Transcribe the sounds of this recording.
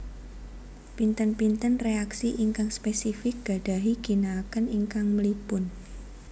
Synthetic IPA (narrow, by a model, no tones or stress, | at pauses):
pint̪ənpint̪ənreaksiʔiŋkaŋspesifɪk̚ɡ̥a̤ɖ̥a̤ɦiɡ̥i̤naːkəniŋkaŋməlipʊn